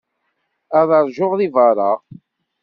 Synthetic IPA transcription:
ɑðˤɑɾˤʒʊʁðivɑɾˤɑ

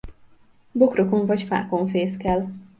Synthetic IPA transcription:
bo̞kroko̞ɱvɒcfa̰ːko̞ɱfeːskɛl

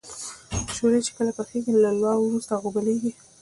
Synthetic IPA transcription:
ʃolet͡ʃe̥kəlapəxeɡilalwɑwɾust̪aɣobəleɡi

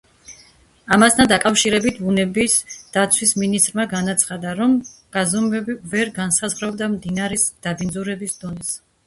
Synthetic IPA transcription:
amast̪ʰand̪akʼafʃiɾɛbit̪ʰbunɛbisd̪̥at̪sʰwisminist̪ʼɾmaɡanat̪sʰχad̪aɾɔmɡ̥azɔmvɛbivɛɾɡansazʁɾɔb̚d̪amd̪inaɾɛsd̪̥abind̪zuɾɛbisd̪ɔnɛs

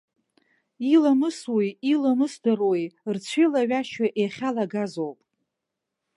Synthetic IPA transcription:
ilamɨswojilamɨsdɨrwojrt͡sʷʰilaɥaʃaʔeχʲalaɡazowpʼ

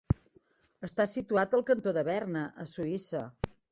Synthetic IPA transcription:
əst̪asit̪uat̪əlˠkənt̪oðəβɛrnəʔəsuisə

